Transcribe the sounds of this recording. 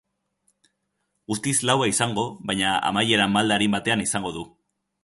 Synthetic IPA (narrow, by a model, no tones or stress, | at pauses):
ust̪islawaisaŋɡo̞βajɲaa̰maje̞ɾamald̪aɾimbat̪e̞anisaŋɡo̞ðu